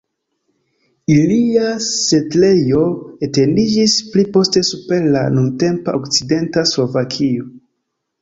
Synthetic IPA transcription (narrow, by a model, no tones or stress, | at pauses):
iliase̞tle̞jo̞ete̞ndid͡ʒisplipo̞ste̞supe̞ɾla̰nunte̞mpaokt͡side̞ntaslo̞vakʰio̞